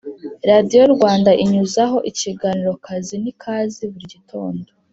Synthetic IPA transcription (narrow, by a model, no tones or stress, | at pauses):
ɾadijo̞ɾɡwaːndaʔiɲuzaɦo̞ʔiciɡaniɾo̞kazinikʰaːziβuɾiɟitʰo̞ːndo